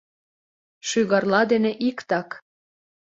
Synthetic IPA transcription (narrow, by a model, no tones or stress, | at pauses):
ʃyɣɑrlɑd̪eneʔikt̪ɑk